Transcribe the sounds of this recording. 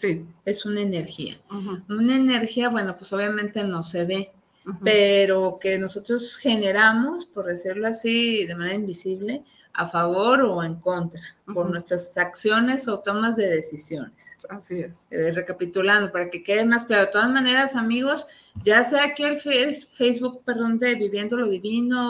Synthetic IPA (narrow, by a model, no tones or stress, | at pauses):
sie̞sunaene̞ɾxḭa̰unaene̞ɾxiaβwe̞no̞pweso̞βjamẽnt̪e̞no̞se̞βe̞ | pe̞ɾo̞ke̞no̞sot̪ɾosxe̞ne̞ɾamo̞spo̞ɾðe̞siɾloasiðe̞maneaimbisiβle̞ | afaβo̞ɾo̞eŋko̞nt̪ɾapoɾnwe̞st̪ɾasaksjo̞ne̞so̞t̪o̞mazðe̞ðe̞sisjo̞nesasisre̞kapit̪uland̪opaɾake̞ke̞ðemasklaoet̪oazmane̞ɾasamiɣo̞sʝaseakielfefejzβuk̚pe̞ɾðo̞nd̪e̞βiβje̞nd̪o̞lo̞ðiβino̞